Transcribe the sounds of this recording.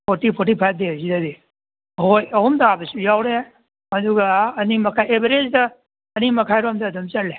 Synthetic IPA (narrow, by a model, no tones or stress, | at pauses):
pʰotipʰoɾtipʰaj̚dezidadi | hojɐɦumtaabɐsujawɾe | hɐduɡɐːnimɐkʰajebɐɾezdɐː | nimɐkʰajɾomdɐːdomt͡ʃɐɾle